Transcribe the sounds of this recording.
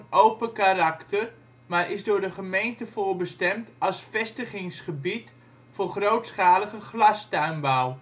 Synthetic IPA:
owpəkarɑktər | maːrʔɪzdʊːɹdəχəmejntəvʊːɹbəstɛmtɑlˠsfɛstəχɪŋsχəbit | fʊːrχrowtsχaːləχəχlɑstœɥmbɔw

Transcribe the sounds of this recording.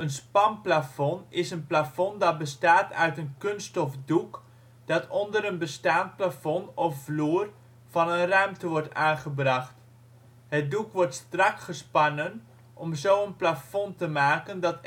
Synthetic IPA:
ənspɑmplafɔnɪsənplafɔndɑt̚bəstaːtœ̰ɥtənkɵnstɔfduk | d̥ɑtɔndəɾənbəstaːnt̚plafɔnɔfvluːr | vɑnənrœɥmtəʋɔɹtaːnχəbrɑχt | hət̚dukʋɔrtstrɑkχəspɑnən | ʔɔmzowənplafɔntəmaːkəndɑt

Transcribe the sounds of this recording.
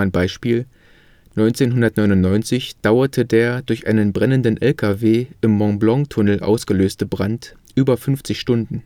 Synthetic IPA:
aɪnbaɪʃpiːl | nɔʏnt͡seːnɦʊndɐtnɔʏnʊntnɔʏnt͡sɪçd̥aʊɐtʰədeːɐdʊɐçʔa̰ɪnənbʁɛnəndnʔɛlkʰaveːʔɪmːɔŋblɔŋtʰʊnl̩ʔa̰ʊsɡ̥əløːstəbʁantʔyːbɐfʏnft͡sɪçʃtʊndn̩

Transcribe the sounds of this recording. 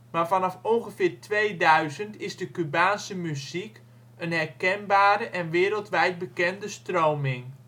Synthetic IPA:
maːrvanɑfoŋɣəfɪːrtʰʋejdœɥzəntɪzdəkybaːnsəmyzik | ənhɛrkɛnbaːɾəʔɛnʋɪːɾəlˠtʋɛjt̚bəkɛndəstroːmɪŋ

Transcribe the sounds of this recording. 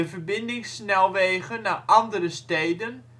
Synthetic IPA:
əvərbɪndɪŋsnɛlˠʋeːɣənaʔɑndəɾəstejdən

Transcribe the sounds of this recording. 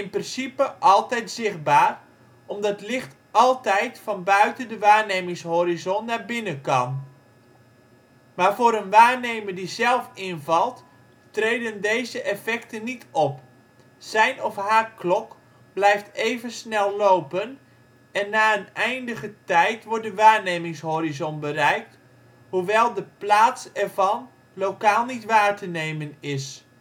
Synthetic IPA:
ɪnprɪnsipəʔɑlˠtɛjtzɪχ̚baːr | ʔɔmdɑtlɪχt | ɑlˠtɛjtfɑnbœɥtəndəʋaːrneːmɪŋshoɾizɔnnabɪnəkɑn | maːrfoːɾənʋaːrnejmədizɛlˠfɪnvɑlˠt | trejdəndejzəʔɛfɛktənːitʰɔp | sɛjnɔfɦaːklɔk | b̥lɛjftejvənsnɛlˠlowpən | ɛnːaːənɛjndəɣətɛjtʋɔɹt̚dəʋaːɹnejmɪŋshoːɾizɔnbəɾɛjk̚t | huʋɛlˠdəplaːtsɛɹvɑn | lowkaːlˠnitʋaːrtənejmənɪs

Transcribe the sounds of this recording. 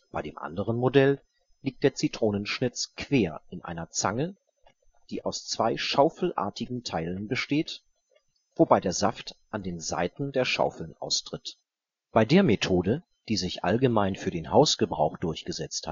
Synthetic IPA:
b̥aɪdeːmʔa̰ndəʁ̞ənmodɛl | liːk̚t̚d̥eːɐt͡sitʁ̥oːnənʃnɪt͡skv̥eːɐɪnʔa̰ɪnɐt͡sa̰ŋə | d̥iːʔaʊst͡sv̥aɪʃaʊfl̩ʔa̰ːɐtɪɡŋ̩tʰaɪlənbəʃteːt | v̥obaɪdeːɐza̰ftʔandeːnza̰ɪtn̩deːɐʃa̰ʊfl̩nʔa̰ʊstʁ̥ɪt | b̥aɪdeːɐmetʰoːdə | d̥iːzɪçʔa̰lɡəmaɪnfyːɐdeːnhaʊsɡ̥əbʁaʊxd̥ʊɐçɡ̥əzɛt͡sthat

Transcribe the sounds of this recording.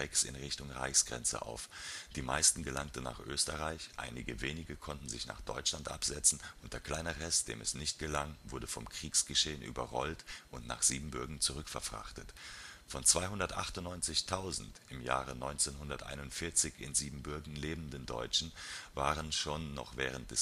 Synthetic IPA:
ɛksɪ̰nʁɪçtʊŋʁa̰ɪçsɡ̥ʁɛ̰nt͡sə̰ʔa̰ʊfd̥iːmaɪstn̩ɡəlaŋtn̩na̰ːχʔø̰ːstəʁaɪçʔa̰ɪnɪɡəveːnɪɡəkʰɔntn̩zɪçna̰ːχd̥ɔ̰ʏt͡ʃlantʔa̰pz̥ɛt͡sn̩ʔʊnt̚d̥eːɐkʰl̥aɪnɐʁɛstd̥ḛːmɛsnɪçt̚ɡ̥əlaŋvʊɐdəfɔmkʁ̥iːksɡ̥əʃeːənʔy̰ːbɐʁɔltʔʊntna̰ːχz̥iːbm̩bʏɐɡŋ̩t͡suʁʏkfɛɐfʁ̥a̰χtətfɔnt͡sv̥aɪɦʊndɐtʔaχtʊnnːɔʏnt͡sɪçtʰaʊzn̩tʔɪmja̰ːʁənɔʏnt͡seːnhʊndɐtʔa̰ɪnʊntfɪɐt͡sɪçɪ̰nziːbm̩bʏɐɡn̩leːbn̩dəndɔ̰ʏt͡ʃn̩vaːʁənʃoːnːɔ̰χv̥ɛːʁ̞ənt̚d̥ɛs

